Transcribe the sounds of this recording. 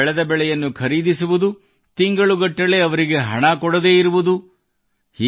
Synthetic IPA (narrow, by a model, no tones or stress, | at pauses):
ɭɛd̪ɐbɛɭɛjɐnːukʰɐɾiːd̪isuʋud̪u | t̪iŋɡɐɭuɡɐʈːɐle̞ɐʋɐɾiɡe̞ɦɐ̰ɳɐkɔɽɐd̪e̞ːiɾuʋud̪u | hiː